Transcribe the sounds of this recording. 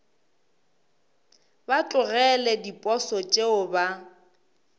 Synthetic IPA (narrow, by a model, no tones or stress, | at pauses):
bat͡ɬʼʊrɛlɛdipʼɔsɔt͡ʃʼeʊba